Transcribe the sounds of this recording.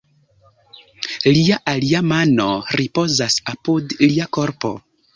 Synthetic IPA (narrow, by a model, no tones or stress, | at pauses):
liaʔaliamano̞ɾipo̞zasapudliako̞ɾpo̞̰